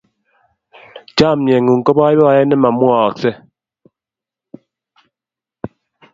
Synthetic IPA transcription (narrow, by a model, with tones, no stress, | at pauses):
d͡ʒa˦˨mjɛ˨ŋu˨ŋ̩˨kɔ˦bɔ˦i˦bɔ˦˨˦ɛ˦nɛ˦ma˨mwɔ˦˨ksɛ˦